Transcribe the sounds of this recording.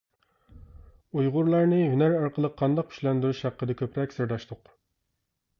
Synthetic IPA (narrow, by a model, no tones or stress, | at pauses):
ujʁʊɾlˠɑɾnɨɦynæɾɑɾqəlˠəqʰːɑnd̪ɑqʰy̥ʃlɛnd̪yɾyʃhæqːəd̪ɛkʲʰøpɾɛkʲsɨɾd̪ɑʃt̪ʰʊq